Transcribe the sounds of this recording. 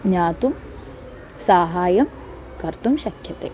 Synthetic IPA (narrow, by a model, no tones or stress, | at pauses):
ɲaːt̪um | saːɦaːjɐm | kɐɾt̪umʃɐkʰjɐt̪ḛː